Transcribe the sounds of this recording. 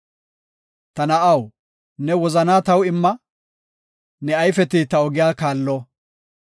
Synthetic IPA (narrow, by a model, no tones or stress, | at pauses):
t̪ɐnɐʔɐw | nɛwɔzɐnaːt̪ɐwɪmːɐ | nɛɐjfɛt̪ɪt̪ɐɔɡɪjaːkaːlːɔ